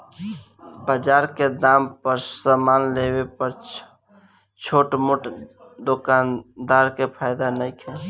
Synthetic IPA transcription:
bəd͡ʒaɾked̪ampəɾsəmanlebepəɾ | t͡ʃʰoʈmuʈ | d̪okand̪aɾkepʰajd̪anəjkʰel

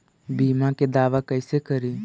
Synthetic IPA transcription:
biːmãked̪aːʋakəɪsekəɾiː

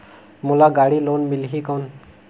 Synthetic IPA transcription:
mulaɡaɽilonmilɦikɔn

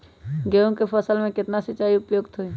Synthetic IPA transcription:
ɡeːõkepʰəsəlmẽkɪt̪nasət͡ʃaːiʊpjoːɡt̪ʰɦoiː

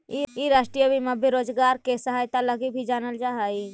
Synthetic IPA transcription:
iiɾaʃʈɾijəbimẽbʱeɾod͡ʒɡaɾkesəɦajt̪aləɡibʱid͡ʒaːnəld͡ʒaɦəj

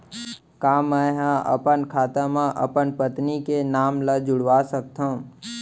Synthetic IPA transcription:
kaːməjɦãʔə̰pənkʰaːt̪ãmãʔə̰pənpət̪nikenaːmləd͡ʒʊɽʋasək̚t̪ʰə̃

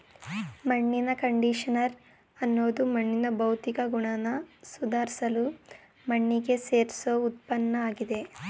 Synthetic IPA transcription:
mɐɳːinɐkɐɳɖiʂɐnɐɾ | ɐnːoːd̪umɐɳːinɐbɐwt̪ikɐɡuɳɐnɐsud̪ʱaːɾsɐlu | mɐɳːiɡe̞seːɾsout̪̚pɐnːɐaːɡid̪e̞

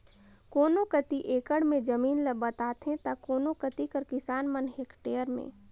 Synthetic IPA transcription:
koːnõkət̪iʔeːkəɽmẽd͡ʒɐmiːnləbət̪aːt̪ɦẽt̪akoːnõkət̪ikəɾkɪsaːnmənɦeːkʈeːəɾmḛ̃ː

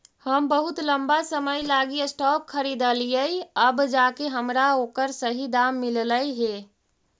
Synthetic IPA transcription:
həmbəɦut̪ləmbasəməjlaɡiesʈɔp̚kʰːəɾid̪əlijəjəbd͡ʒakeɦəmɾaokəɾsəɦid̪amːilləjɦe

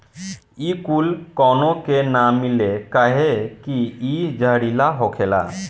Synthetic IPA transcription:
ikulkɔnokenamilekaɦekiid͡ʒʱəɽilaɦokʰela̰

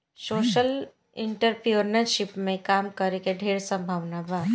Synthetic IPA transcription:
soːʃəl | ɪɳʈəɾpioɾnəɾʃɪpmẽkaːmkəɾekeɖʱeːɽsə̃mbʱaːʋnabʱaː

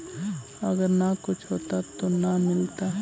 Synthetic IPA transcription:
ɐɡəɾnakʊt͡ʃʰɦoːt̪at̪onamɪlt̪a

